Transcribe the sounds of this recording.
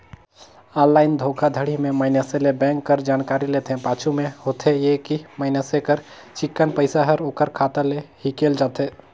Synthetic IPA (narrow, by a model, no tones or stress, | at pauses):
ɔlːaɪnd̪ʱokʰad̪ʱəɽ̤imemaɪnəselebɛ̃ŋkːəɾd͡ʒankaɾilet̪ʰẽpat͡ʃʰumehot̪ʰejekimaɪnəsekəɾ | t͡ʃikːənpəɪsaɦəɾokəɾkʰat̪əlehikeld͡ʒat̪ʰe